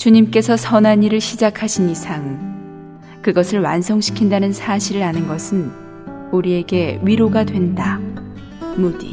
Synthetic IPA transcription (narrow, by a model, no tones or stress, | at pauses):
t͡ɕuɲimk͈e̞sʰʌsʰʌnɦaɲiɾɯɭɕʰid͡ʑakʰaɕʰinisʰaŋ | kɯɡʌsʰɯɭwansʰʌŋɕʰi̥kʰindanɯnsʰaɕʰiɾɯɾanɯnɡʌsʰɯn | uɾie̞ɡe̞ɥiɾoɡadwe̞nda | modḭ